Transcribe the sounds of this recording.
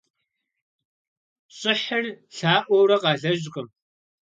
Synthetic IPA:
ɕʼɪħərɬaːʔʷɔwrɐqɑːɮɐʒqʼəm

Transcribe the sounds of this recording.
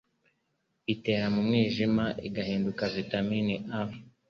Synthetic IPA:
ite̞ːɾamumŋiːʒimaʔiɡahiːndukavitaminiʔav

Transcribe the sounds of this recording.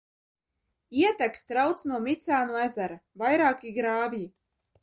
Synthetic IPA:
iɛt̪ækst̪ɾawt̪snuɔmʲit̪saːnuæzæɾavajɾaːkiɡɾaːvji

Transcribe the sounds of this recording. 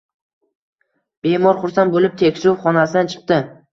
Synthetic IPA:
b̥emɒɾχʊɾsanbolɪp̚t̪ʰekʲsuʊfχɒnasɪd̪ant͡ʃʰɨ̥q̚t̪ɪ

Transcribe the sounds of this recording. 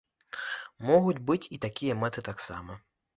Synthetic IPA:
mɔɣud͡zʲbɨt͡sʲit̪akʲijɐmɛt̪ɨt̪aksa̰mɐ

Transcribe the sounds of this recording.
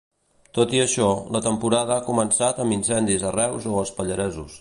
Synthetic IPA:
t̪ot̪iəʃɔlət̪əmpuɾað̞əakumənsat̪əminsɛnd̪izərɛwzoəspəʎəɾɛzus

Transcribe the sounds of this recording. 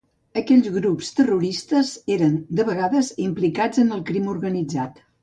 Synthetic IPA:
əkɛʎzɣɾupst̪əruɾist̪əzeɾənd̪əβəɣaðəzimplikad͡zənəlˠkɾimuɾɣənid͡zat̪

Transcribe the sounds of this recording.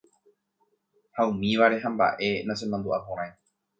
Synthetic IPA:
haũmĩʋaɾe̞ɦãmba̰ʔe̞nãsenãnd̪uʔapõɾ̃ãj̃

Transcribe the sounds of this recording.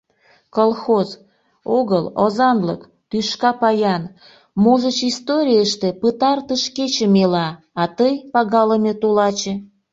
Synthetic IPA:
kolˠxoz | oɣəlozɑnlək | t̪yʃkɑpɑjɑn | moʒət͡ɕist̪oɾʲijəʃt̪epɨt̪ɑrt̪əʃket͡ɕə̆melɑ | ɑt̪əjpɑɣɑləmet̪ulɑt͡ɕe

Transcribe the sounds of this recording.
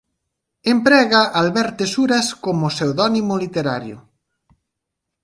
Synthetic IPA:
empɾɛɣaʔalβɛɾt̪esuɾaskomosewðɔnimolit̪eɾaɾjo̰

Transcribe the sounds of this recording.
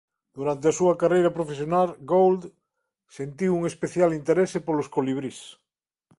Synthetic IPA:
d̪̥uɾant̪̬easuakarejɾapɾofesjonalɡowld̪ | sent̪iwuŋespeθjalint̪eɾesepoloskoliβ̞ɾis

